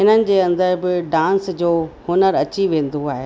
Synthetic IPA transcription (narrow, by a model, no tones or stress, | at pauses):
ɦɪnənɪ̆d͡ʑeːɐ̃nd̪əɾbɪɖãːnsd͡ʑoːhʊnəɾɐt͡ɕiʋẽːn̆d̪oaːɦeː